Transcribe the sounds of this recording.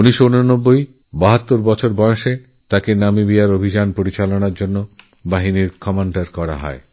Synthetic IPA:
uniʃounonobːoj | baɦat̪ːoɾbɔt͡ɕʰoɾbɔõʃe | t̪akenamibijaɾobʱid͡ʑanpoɾit͡ɕalonaɾd͡ʑonːo | baɦiniɾkɔmaɳɖaɾkɔɾa̰ɦɔ̰e

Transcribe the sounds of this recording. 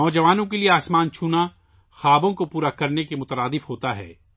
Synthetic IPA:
ɔːd͡ʒɐʋaːnõkelieaːsmaːnt͡ʃʰuːna | xaːbõkopuːɾakɐɾnekemʊt̪əɾaːd̪ɪfhoːt̪aɦɛ̰ː

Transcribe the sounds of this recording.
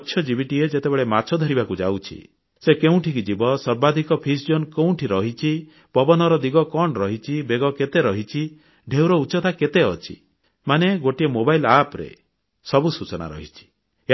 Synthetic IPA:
tːʃʰjɔd͡ʒiβiʈied͡ʒet̪ebeɭemat͡ʃʰɔd̪ʱɔɾibakud͡ʒa̰wt͡ʃʰḭ | sekeũʈʰikid͡ʒibɔsɔɾbad̪ʱikɔpʰis̬d͡ʒonkew̃ũʈʰiɾɔɦit͡ʃʰi | pɔbɔnɔɾɔd̪iɡɔkɔɳɾɔɦit͡ʃʰibeɡɔket̪eɾɔɦit͡ʃʰi | ɖʱewɾɔut͡ʃɔt̪ʰaket̪eɔt͡ʃʰḭ | maneɡoʈiemobailapɾḛ | sɔbusut͡ʃɔna̰ɾɔ̰ɦit͡ʃʰi̥

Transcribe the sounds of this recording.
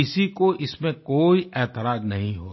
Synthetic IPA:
ɪsikoʔɪsmẽkoːiʔɛːt̪ɪɾaːznɐɦĩɦo̰ː

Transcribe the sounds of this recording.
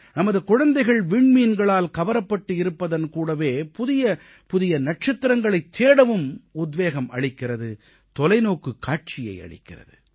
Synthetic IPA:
nɐmɐðɯkʊɻɐnd̪ɐɪɣɐɭʋɪɳmiːnɡɐɭaːlkɐʋɐɾɐpːɐʈːɯɪɾɯpːɐðɐnkuːɽɐʋeːpʊðɪjɐ | pʊðɪjɐnɐʈ̚t͡ʃɐt̪ːɪɾɐŋɡɐɭɐɪt̪ʰːeːɽɐʋɯmʊd̪ʋeːɣɐmɐɭɪkːɪrɐðɯ | t̪ɔlɐɪnoːkɯkːaːʈ̚t͡ʃɪjɐ̰ɪɐ̰ɭɪ̰kːɪrɐ̰ðɯ

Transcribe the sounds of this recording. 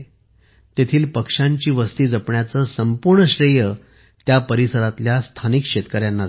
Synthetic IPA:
t̪et̪ʰiːlpəkʂaɲt͡ɕiːʋəst̪iːd͡zəpɳjat͡səːsəmpuɾɳəɕɾijə | t̪japəɾisəɾat̪ljast̪ʰanikɕet̪kəɾjanːa

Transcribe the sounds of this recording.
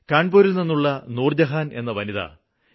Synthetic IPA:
kaːɳboːɾilninːuɭːɐnuːrd͡ʑɐɦaːne̞̰nːɐʋɐniðɐ̰

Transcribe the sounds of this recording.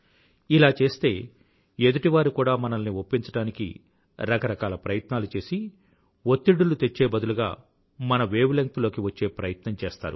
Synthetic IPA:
ilaːt͡ʃe̞ːst̪e̞ː | ed̪uʈiʋaːɾukuːɽaːmɐnɐlniopːiɲt͡ʃɐɽaːnikḭ | ɾɐkɐɾɐkaːlɐpɾɐjɐt̪naːlut͡ʃe̞ːsi | ot̪ːiɽːulut̪e̞t͡ʃːeːbɐd̪uluɡaː | mɐnɐʋeːʋilɐŋt̪lo̞ːkiʋɐt͡ʃːe̞ːpɾɐjɐt̪nɐmt͡ʃɛːst̪a̰ːɾu

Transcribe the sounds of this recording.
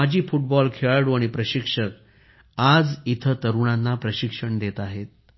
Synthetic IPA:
ad͡ʑʱiːfuʈ̚bɔlkʰeɭɽuaɽ̃ipɾəɕikʂək̚ | ad͡zit̪ʰət̪əɾuɳanːapɾəɕikʂəɳd̪et̪aɦet̪̚

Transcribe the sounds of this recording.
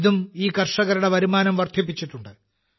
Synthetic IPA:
ðumiːkɐrʂɐɣɐɾuɽe̞ʋɐɾumaːnɐmʋɐrd̪ʱjip̬ːit͡ɕːiʈːuɳɖɨ

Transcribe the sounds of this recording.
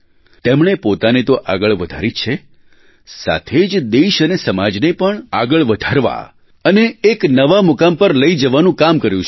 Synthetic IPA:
t̪emɳepot̪anet̪oʔa̰ɡəɭʋəd̪ʱaɾit͡ʃʰe | sa̰t̪ʰed͡ʒd̪eʃənesəmad͡ʒnepəɳaɡəɭʋəd̪ʱaɾʋa̰ | əneːknəʋamʊkampəɾləid͡ʒəʋanũkamkəɾjũt͡ʃʰ

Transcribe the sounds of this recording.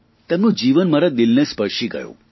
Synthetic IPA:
t̪ɛmnũd͡ʑiʋənməɾad̪ilnespəɾʂiɡə̰jo̰

